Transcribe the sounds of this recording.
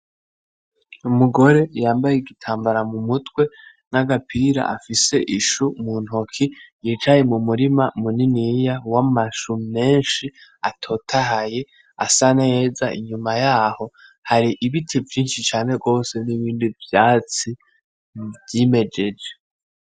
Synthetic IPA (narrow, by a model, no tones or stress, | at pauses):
umuɡo̞ɾe̞jaːmbajeɡitʰaːmbaɾamumutwe̞ | naɡapʰiɾa̰ʔafise̞ʔiʃumuːn̥hokʰijiːt͡ʃaje̞mumuɾimamuninijawamaʃume̞ːnʃiatʰo̞ːtʰaɦaje̞ | asaneje̞ːzaḭɲumajaːho̞haɾiʔiβitʰivjiːnʃit͡ʃaːne̞ɡo̞ːse̞niβiːndivjaːt͡si | vjiːme̞d͡ʒe̞d͡ʒe